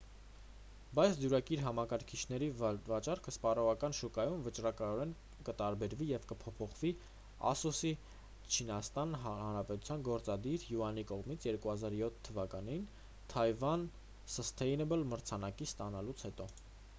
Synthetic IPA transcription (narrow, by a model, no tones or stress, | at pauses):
bɑjt͡sʰd̪juɾɑkiɾɦɑmɑkɑɾkʰit͡ʃʰn̪ɛɾivɑt͡ʃɑɾkʰəspɑrɔʁɑkɑnʃukɑjumvət͡ʃrɑkɑɔɾɛn | kət̪ɑɾbɛɾvijɛvkəpʰɔpʰɔχvi | ɑ̰susi | t͡ʃʰinɑst̪ɑnhɑnɾɑpɛt̪u̥t͡sʰjɑnɡɔɾt͡sɑd̪iɾjuɑnikɔʁmit͡sʰjɛɾkuhɑzɑɾjɔt̪ʰːəvɑkɑnin | t̪ʰɑjvɑn | səst̪ʰɛjnɛbəlməɾt͡sʰɑnɑkist̪ɑnɑlut͡sʰhɛt̪ɔ